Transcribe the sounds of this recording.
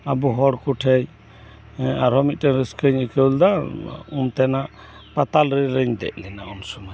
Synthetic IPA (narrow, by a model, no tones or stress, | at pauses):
abuɦɔɽkuʈʰɛj | aɾɦɔmit̪̚ˀtɛnɾiskəɲəkɛld̪aunt̪ɛnaʔ | pat̪alɾɛɾəɲd̪ɛ̰ʔlɛnaunsumaj